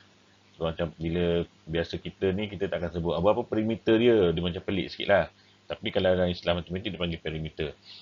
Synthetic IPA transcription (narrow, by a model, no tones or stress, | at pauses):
somat͡ʃambilə | biasəkit̪ənikit̪ət̪aʔakansəbʊʔabəapəpəɾimit̪ədiədimat͡ʃampəlɪ̰ʔsə̥kḭʔ̪lah | t̪apikalaɾaislamat̪umint̪idipaŋɡepɛɾimit̪ə